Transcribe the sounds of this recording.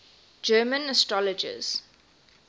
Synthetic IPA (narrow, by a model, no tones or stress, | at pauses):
d͡ʒɜːmə̃nəstɹɔləd͡ʒə̰z̥